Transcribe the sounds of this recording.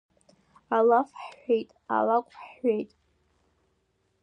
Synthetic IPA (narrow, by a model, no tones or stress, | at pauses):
alafħʷejtʼa̰lakʷʼħʷejtʼ